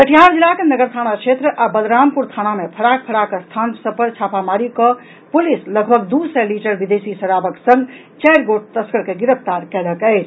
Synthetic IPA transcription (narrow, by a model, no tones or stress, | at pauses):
t̪əʈʰijaɾd͡ʒilakenəɡəɾt̪ʰañat͡ʃʰet̪ɾəʔabəd̪ɾampuɾt̪ʰañamepʰəɽak̚pʰəɽakest̪ʰansəbpəɾt͡ʃʰapamaɾikə | pulisləɡbʱəɡd̪usɛliʈəɾbid̪esisəɽabəksəŋ | t͡ʃɛjɾɡoʈ̚t̪əskəɾkeɡiɾəpʰt̪aɾkɛləkəɪt͡ʃʰ